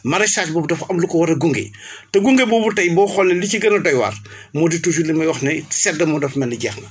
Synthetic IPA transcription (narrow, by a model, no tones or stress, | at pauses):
mɐɾɐsaːt͡ʃbɔːbudɐfɐmlukɔwɐɾɐɡuŋɡḛtɐɡuŋɡebɔːbutɐjbɔːxɔlːɐliciɡɐnɐdɔjwɐ̰r | mɔditus̬ulimɐjwɔxnɐsɛdːɐmɔdɐfmɐnːiɟɛːxnɐ